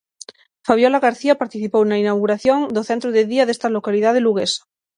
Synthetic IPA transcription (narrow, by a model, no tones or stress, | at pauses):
faβjolaɣaɾθiapaɾt̪iθipowenainawɣuɾaθjond̪oθent̪ɾoðeðiaðest̪alo̞kaliðað̞eluɣ̞esḁ